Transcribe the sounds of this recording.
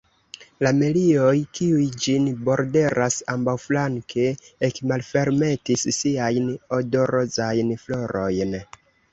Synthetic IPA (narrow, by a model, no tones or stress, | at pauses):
lamelio̞jkiujd͡ʒinbo̞ɾde̞ɾʔasambawflaŋke̞ːkmalfe̞ɾme̞tisːiajno̞do̞ɾozajnflo̞ɾo̞jn